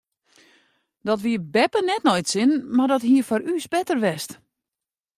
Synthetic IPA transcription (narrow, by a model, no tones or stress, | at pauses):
dɔtʋiːəbɛpənɛtnɔjtsɪnmardɔthiːfɔɾyːsbɛtərʋɛst